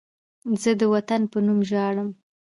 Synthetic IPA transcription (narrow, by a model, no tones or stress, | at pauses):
zəd̪əwat̪anpənumʒɑɽəm